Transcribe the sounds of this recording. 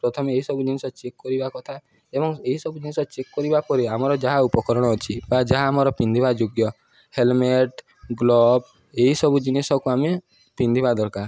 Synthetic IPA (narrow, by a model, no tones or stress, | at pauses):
pɾɔt̪ʰɔmeeɦisɔbud͡ʒinesɔt͡ʃekːɔɾibakɔt̪ʰa | ebɔŋeɦisɔbud͡ʒinesɔt͡ʃekːɔɾibapɔɾiamɔɾɔd͡ʒaɦaupɔkɔɾɔɽ̃ɔːt͡ʃʰibad͡ʒaɦaːmɔɾɔpind̪ʱibad͡ʒoɡjɔ | helmeʈ | ɡlɔb | eɦisɔbud͡ʒinesɔkuame | pind̪ʱibad̪ɔɾkaɾ